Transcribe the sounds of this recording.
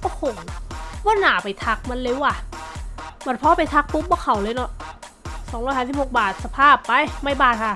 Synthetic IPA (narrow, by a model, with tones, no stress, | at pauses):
kɔː˧˥˩pʰo˨˩˦mbɔː˧˥˩naː˩˦pa˨jt̪ʰa˦˥k̚ma˧˥˨nle˧˥˩wʔa˧˩ | ma˧˩˦npʰɔ˧˥pa˨jt̪ʰa˧˦˥k̚pu˦˥p̚bɔ˧˥˩kʰa˨˩˦wlɤː˧˦jnɔ˧˥ʔ | sɔː˨˦ɾɔ˧˥˩jhaː˨˧˩si˨˩ho˨˩k̚baː˨˩t̪̚sa˧pʰaː˥˩pːa˧jma˧˥˩jbaː˧˩t̪̚kʰa˧˩